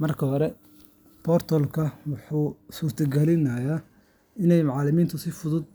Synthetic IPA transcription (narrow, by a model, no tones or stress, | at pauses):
mɐrkʰɐɦɔɾɛ | bʰɔrt̪ʰɔlkʰɐwʊħuːsuːrt̪ʰɐɡɐlɪnɐja | ɪnɛjmɑʕɑlɪmiːnt̪ʰʊsɪfʊðʊd̪